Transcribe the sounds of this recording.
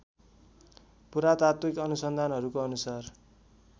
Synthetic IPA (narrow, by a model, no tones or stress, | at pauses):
puɾat̪at̪wikʌnusʌnd̪ʱanɦʌɾukoʌnusar